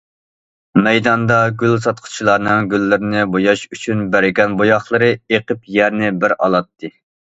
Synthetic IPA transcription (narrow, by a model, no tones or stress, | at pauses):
mɛjd̪ɑnd̪ɑɡʲylsɑt̪̚qʰʊ̥t͡ʃʰilˠɑɾnɨŋɡʲylːɪɾɪnɪbojɑʃyt͡ʃʰynbæɾɪɡʲɛnbojɑχlˠɨɾɨeqʰəpjɛɾnɪbɪɾɑ̰lˠɑt̪ʰːɨ